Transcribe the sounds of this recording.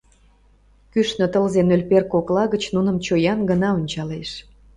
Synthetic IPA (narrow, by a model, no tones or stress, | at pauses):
kyʃnø̆t̪əlzenølʲperkoklɑɣət͡ɕnunə̆mt͡ɕojɑnɡənɑunʲt͡ɕɑleʃ